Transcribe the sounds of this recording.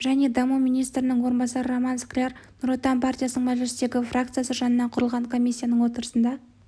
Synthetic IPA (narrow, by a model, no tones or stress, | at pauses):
ʒæne̞d̪ɑmuminijst̪ɾɪnɪŋwo̞ɾənbɑsɑɾəɾomɑnsklʲernuɾo̞t̪ːɑmpʰart̪ijasənəɴmæʒɪlɪst̪e̞ɡʲɪfrakt̪sɨjasəʒɑnənɑɴqʰʊɾəlˠʁɑɴkʰo̞mʲijsʲːijanəɴwo̞t̪əɾəsənd̪ɑ